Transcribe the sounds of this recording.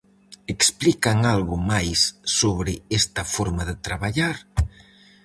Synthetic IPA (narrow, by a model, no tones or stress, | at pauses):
eksplikaŋalɣʊmajsːoβɾɪest̪ɐfoɾmaðɪt̪ɾaβaʎaɾ